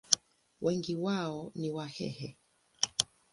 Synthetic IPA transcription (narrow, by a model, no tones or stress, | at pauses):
wʔɛŋɡiwaɔniwahɛ̰hɛ